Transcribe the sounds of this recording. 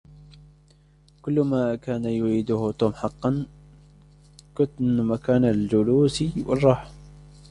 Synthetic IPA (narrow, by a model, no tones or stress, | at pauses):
kʊlːmakaːnajʊʕiːd̪ʊht̪uːmħɑqːɑn | kʊmakaːnald͡ʒʊluːsiwʔɪ̰rˤːɑːħ